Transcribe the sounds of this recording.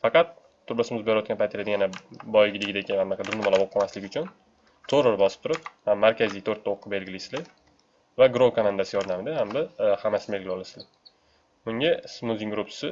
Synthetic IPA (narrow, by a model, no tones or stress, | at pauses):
fɑqɑt̪ʰː | ʊɾlasɪmɪzbɾɪjɒt̪̚ʲanpʰajt̪ʰelad̪ɡʲjanabɒjɡʲɪd̪ɪɡʲɪd̪akʲɪammːakʲad̪ʊɾnɪmalabɒp̚ʰɒmaslɪɡʲʊt͡ʃʰʊn | t̪ʰoɾoɾbɒsɪ̥t̪ʰʊɾɪphamːaɾkʲazijt̪ʰoɾt̪ʰːaoqʰːɨbe̞lɡʲɪlɪsɪlɪ | vaɡɾowkʰamand̪asɪjɒɾd̪amɪd̪ahambɪhamasɪnɪbeɡʲɪlɪɒlasɪlɪ | mʊŋʲasmuzʲiŋɡɾupsɪ